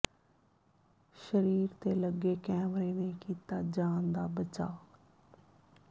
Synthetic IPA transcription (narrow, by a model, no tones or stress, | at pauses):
ʃəɾiːɾt̪eːləɡeːkɛːmɾeːnẽkiːt̪aːd͡ʒaːnd̪aːbət͡ʃa̰ː